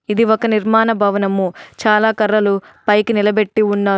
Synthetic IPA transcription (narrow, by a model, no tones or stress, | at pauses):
id̪iɔkɐniɾmaːnɐbʱɐʋɐnɐmːut͡ʃaːlaːkɐɾːɐlu | pɐjkinilɐbe̞ʈːiunːaː